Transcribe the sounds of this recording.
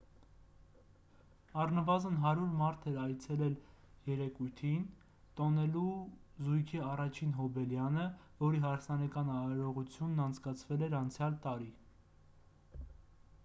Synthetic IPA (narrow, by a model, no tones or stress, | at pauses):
ɑrnəvɑzənɦɑɾuɾmɑɾt̪ʰɛɾɑjt͡sʰɛlɛl | jɛɾɛkujt̪ʰin | t̪ɔnɛluzujkʰiɑrɑt͡ʃʰinɦɔbɛljɑnəvɔɾiɦɑɾsɑnɑkɑnɑɾɔʁut͡sʰjunːɑnt͡sʰkɑt͡sʰvɛlɛɾɑnt͡sʰjɑlt̪ɑɾi